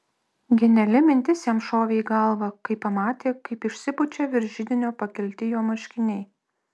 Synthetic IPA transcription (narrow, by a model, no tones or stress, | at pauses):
ɡʲɛnʲɛlʲɪmʲɪnʲt̪ʲɪsʲjɛmʃoːʋʲeɡɐlˠʋɐkɐɪpːɐmɑːt̪ʲeːkɐɪpɪʃʲsʲɪbʊt͡ʃʲɛʋʲɪɾʲʒʲɪd̪ʲɪnʲoːpɐkʲɛlʲt̪ʲɪjoːmɐʃʲkʲɪnʲɛɪ